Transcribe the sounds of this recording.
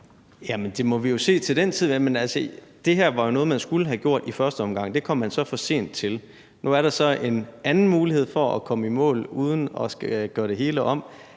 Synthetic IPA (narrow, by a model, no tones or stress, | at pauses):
jæmənd̥e̝mɒ̽ʋijo̝se̝̰ːt͡sʰe̝ld̥ent͡sʰiðˠjæmenælsəd̥e̝ɦeɐ̰ʋɑ̈jo̝nɔ̽ːðˠmænsɡ̥ulɦæɡ̥jo̝ɐ̰d̥ifɶɐsd̥əɒ̽mɡ̥ɑ̈ŋ̰d̥e̝kʰɒ̽m̰ːænsɒ̽fɒ̽se̝̰ːn̰d̥̚t͡sʰe̝l | nuæɐɾɑ̈sɒ̽enænn̩muːlihe̝ð̞̰ˠfɒ̽ækʰɒ̽məimɔ̰̽ːluːð̞ˠn̩ɒsɡ̥æɡ̥ɶːɐd̥e̝ɦe̝ːləʔɒ̽m̰